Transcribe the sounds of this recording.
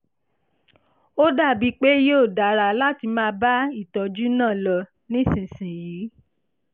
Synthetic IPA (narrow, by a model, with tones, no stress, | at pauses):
o˦da˦˨bi˦k͡pe˦jo˦˨da˨ɾa˧la˦ti˧mãː˦ba˦i˦˨tɔ˨d͡ʒu˦nãː˦˨lɔ˧ | nĩ˦˨sĩ˨sĩ˨jiː˨˦